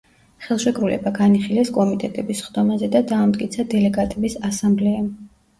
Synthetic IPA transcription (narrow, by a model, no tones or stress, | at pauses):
χɛlˠʃɛkʼɾulɛ̰baɡaniχilɛskʼɔmit̪ʼɛt̪ʼɛbisχd̪̥ɔmazɛd̪ad̪aːmt̪ʼkʼit̪sʰad̪ɛlɛɡat̪ʼɛbisasamblɛɛ